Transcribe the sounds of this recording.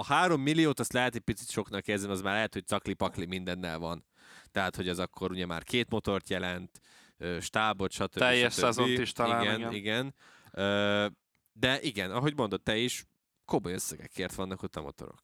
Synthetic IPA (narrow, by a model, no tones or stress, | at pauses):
ɒhaːɾo̞mːilːijoːt̪ɒst̪lɛɦɛt̪ɛc̚pit̪si̥t̪ʃo̞knɒkːeːrzɛnimɒzmaːrlɛɦɛt̪hoc̚sɒklipɒklimind̪ɛnːɛ̰lvɒn | t̪ɛɦat̪ho̞ɟɛzɒkːo̞ɾuɟɛma̰ːrkʰeːt̪mo̞t̪o̞rt̪jɛlɛnt̪ | øːʃt̪aːbot̪ʃɒt̪øbɛijʃjɛʃøazoiiʃt̪ɒiaɡɛniɡɛn | øː | d̪ɛʔiɡɛnɒɦo̞ɟmo̞nd̪o̞t̪ːɛiʃ | ko̞mojøsːɛɡɛ̰kʰːeːrt̪ʋɒnːɒkot̪ɒ̰mo̰t̪o̞̰ɾo̰k